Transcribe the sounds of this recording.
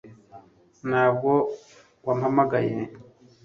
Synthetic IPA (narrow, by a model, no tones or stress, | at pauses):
nhaːb̚ɡo̞ | wam̩hamaɡaje